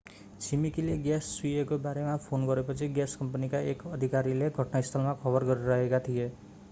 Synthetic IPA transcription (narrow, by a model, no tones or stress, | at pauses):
t͡sʰimikileɡjasːuekobaɾemapʰonɡʌɾepʌt͡sʰiɡjaskʌmpanikaekʌd̪ʱikaɾileɡʱʌʈnaist̪ʰʌlmakʰʌbʌrɡʌɾiɾʌɦekat̪ʰije